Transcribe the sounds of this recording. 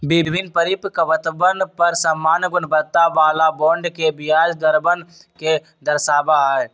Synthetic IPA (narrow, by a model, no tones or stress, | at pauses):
bɪbʱɪnpəɾipkəʋət̪əbənpəɾsəmːaːnɡʊnbət̪ːaʋaːlabɔ̃ːɳɖkebɪjaːd͡ʒd̪əɾbən | ke | d̪əɾsaːbae